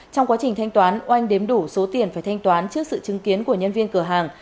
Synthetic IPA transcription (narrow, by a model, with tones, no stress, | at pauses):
t͡ɕɔ˧wŋ͡mkwaː˨˦t͡ɕï˨˩ŋ̟t̪ʰa˧jŋ̟t̪waː˨˦nʔa˧jŋ̟ɗe˨˦mɗu˧˩so˨˦t̪i˨˩ənfaː˧˩jt̪ʰa˧jŋ̟t̪waː˨˦nt͡ɕɨ˦˥ək̚sɨ̰˧˨t͡ɕɨ˨˦ŋki˨˦ənku˧˩əɲə˧nvi˧ənkɨ˧˩əɦaː˨˩ŋ